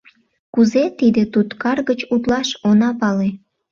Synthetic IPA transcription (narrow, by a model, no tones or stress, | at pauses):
kuzet̪id̪et̪ut̪kɑrɣət͡ɕut̪lɑʃonɑpɑle